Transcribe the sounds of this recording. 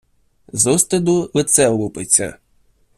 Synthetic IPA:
zɔst̪ɪd̪ʊlˠet̪sɛlˠupɪt͡sʲɐ̰

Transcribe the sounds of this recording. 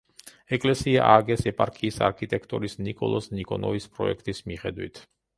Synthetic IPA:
ɛkʼlɛsiaʔaɡɛsɛpʼaɾkʰʼiːsa̰ɾkʰit̪ʼɛkʰt̪ʼɔɾisnikʼɔlˠɔsnikʼɔnɔvispʼɾɔɛkʰt̪ʼismiχɛd̪wḭt̪ʰ

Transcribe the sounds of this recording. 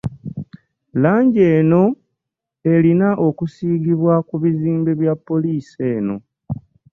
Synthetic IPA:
laːɲɟe̞ːno̞ | e̞linaʔo̞kusiːɡiβwakuβiziːmbe̞βjapːo̞liːse̞ːno̞̰

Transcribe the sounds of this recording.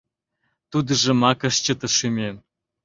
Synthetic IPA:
t̪ud̪ə̆ʒə̆mɑkə̆ʃt͡ɕə̆t̪ə̆ʃymʲem

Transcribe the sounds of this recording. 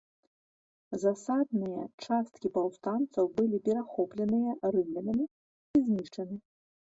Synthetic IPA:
zasad̪̚nɨjɐt͡ʂast̪kʲipawst̪ant̪sɐwbɨlʲipʲɛɾaxɔplʲɛnɨjɐɾɨmlʲɐnʲɐmʲi | izʲnʲiʂt͡ʂɐnɨ

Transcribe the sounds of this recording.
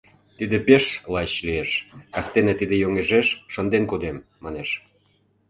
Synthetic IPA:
t̪id̪ĕpeʃlɑt͡ɕlieʃkɑst̪enĕt̪id̪ĕjoŋeʒeʃʃə̆nd̪enkod̪emːɑneʃ

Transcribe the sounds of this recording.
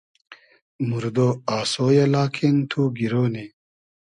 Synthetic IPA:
muɾd̪oaːsoːjɐlaːkʰent̪ʰuːɡiɾoːni

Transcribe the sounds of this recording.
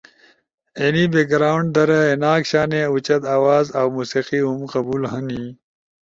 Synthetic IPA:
enibeɡɾaːuɳɖ̚d̪ɐɾɐenaːkɕaːneut͡ɕɐd̪aːwaːzawmuːsiqiɦumqɐbuːlɦɐni

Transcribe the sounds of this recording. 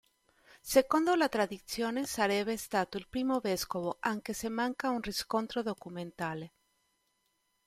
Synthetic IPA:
sekond̪olat̪ɾaðit̪sjoːnesaɾɛβest̪at̪oilpɾiːmoβeskoβoʔaŋkesemaŋkaunriskont̪ɾoðokumẽnt̪ale

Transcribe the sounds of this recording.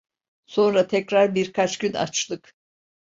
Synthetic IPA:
so̞nɾat̪ʰɛcɾaɾbiɾkʰat͡ʃɡɟyna̰t͡ʃlˠɯk

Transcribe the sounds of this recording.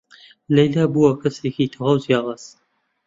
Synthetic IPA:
lɐjlaːbuwɐkʰɐsekit̪ʰɨʁɐwzjaːʁɐz

